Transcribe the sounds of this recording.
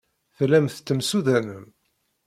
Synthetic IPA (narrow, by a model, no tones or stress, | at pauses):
θlːæmθt̪ːəmsuðænəm